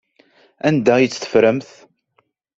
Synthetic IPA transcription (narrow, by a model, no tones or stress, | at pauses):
ænd̪æjit͡sːθə̥fɾæmθ